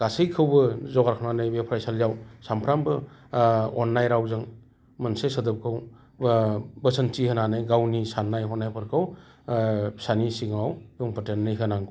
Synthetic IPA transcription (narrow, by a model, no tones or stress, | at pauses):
ɡ̥asɯjkʰɯwbɯzɔɡaɾkʰananɯjbepʰɾajsaljawsampʰɾambɯ | ɔnːajɾawzɯŋ | mɐnsesədɯp̚kʰɯw | bəsəntihɯnanɯjɡawnisanːajɔnːajpʰaɾkʰaw | sanisiŋawbuŋpɯtenːɯjɦɯnaŋɡ